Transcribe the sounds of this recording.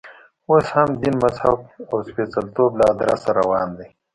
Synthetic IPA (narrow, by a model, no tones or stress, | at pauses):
oshɐmd̪inmɐzha̰bawspeːt͡salt̪oːblad̪ɾa̰saɾɐwaːnd̪e